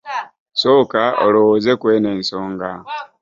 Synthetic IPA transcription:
soːkao̰lowozekweːne̞ːnsoːŋɡa

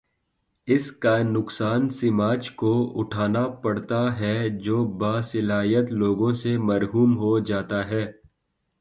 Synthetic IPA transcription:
ɪskanʊksaːnsɪmaːt͡ʃkoʊʈʰaːnapɐɽt̪aɦɛd͡ʒoːbaːsɪlaːɦijət̪loːɡõsemɐɾɦuːmɦod͡ʒaːt̪aɦɛː

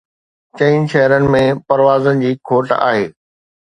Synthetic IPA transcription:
t͡ɕɐ̃iːnʃɛɦɾənɪ̆mẽpɐɾʋaːzənɪ̆d͡ʑiːkʰoːʈa̰ːɦeː

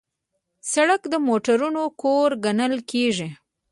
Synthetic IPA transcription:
saɽəkd̪əmoʈaɾunokoɾɡanəlkeʒi

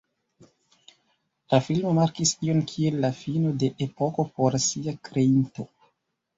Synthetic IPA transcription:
lafilmo̞maɾkisio̞nkʰie̞lːafino̞de̞ʔepo̞ko̞po̞ɾsiakɾe̞into̞

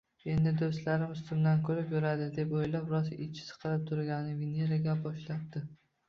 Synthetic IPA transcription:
e̞nd̪ɪd̪ost̪laɾɪmʊst̪ʊmd̪ankʰɵɾɪpjʊɾad̪ɪd̪e̞pojlapɾɒsɪt͡ʃʰɪ̥sɨ̥qʰɨɾɪp̚t̪ʰʊɾɡʲanɪveneɾaɡʲabɒʃlat̪̚d̪ɪ

